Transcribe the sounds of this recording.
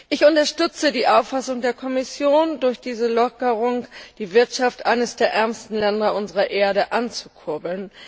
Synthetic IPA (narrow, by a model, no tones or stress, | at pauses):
ʔɪçʊntɐʃtʏt͡sədiːʔaʊfasʊŋdeːɐkʰɔmɪsjoːndʊɐçd̥iːzəlɔkəʁ̞ʊŋd̥iːvɪɐtʃaftʔaɪnəsd̥eːɐʔɛɐmstn̩lɛndɐʔʊnzəʁɐʔeːɐdəʔant͡su̥kʰʊɐbl̩n